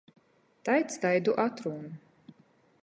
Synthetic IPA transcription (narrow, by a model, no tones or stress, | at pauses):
t̪ajt̪st̪ajd̪uʔat̪ɾuːnu